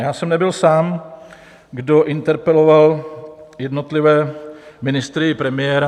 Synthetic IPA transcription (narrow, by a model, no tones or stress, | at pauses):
jaːsɛmnɛbɪlsaːm | ɡdoʔɪnt̪ɛɾpɛlovaljɛdnot̪lɪvɛːmɪnɪst̪ɾɪpɾɛmɪjɛɾa